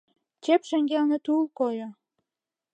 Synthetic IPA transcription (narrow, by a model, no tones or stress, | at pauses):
t͡ɕepʃĕŋɡelnĕt̪ulˠkojo